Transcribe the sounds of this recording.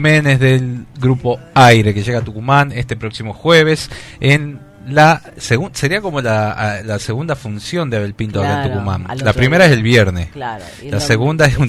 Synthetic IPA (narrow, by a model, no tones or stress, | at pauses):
mẽnezðelɡɾupo̞ajɾe̞keʒe̞ɣat̪ukumanest̪e̞pɾo̞ksimo̞xwe̞β̞e̞sen | la | seɣuse̞ɾiako̞mo̞lalaseɣund̪afunsjo̞nd̪eaβelpint̪oaɾat̪ukumã̰nlapɾime̞ɾaeselβjeɾnes | laseɣund̪aesun